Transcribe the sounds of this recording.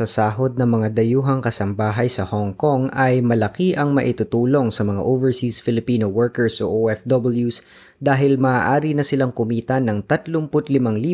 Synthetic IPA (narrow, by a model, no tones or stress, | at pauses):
ɐsaːɦo̞d̪̚nɐŋmɐŋad̪ɐjuːɦɐŋkɐsɐmbaːɦɐjsɐhoŋko̞ŋɐjmɐlɐkiʔɐŋmɐʔɪt̪ʊt̪uːlo̞ŋsɐmɐŋa̰ʔoːvɛɹsisfɪlɪpiːnowɛɹkɛɹsʔoʔoʔɛfd̪ɔbɪljus | d̪aːɦɪlmaːʔaːɾinɐsɪlaŋkʊmiːt̪ɐnɐŋt̪ɐt̪lompʊt̪lɪmɐŋliː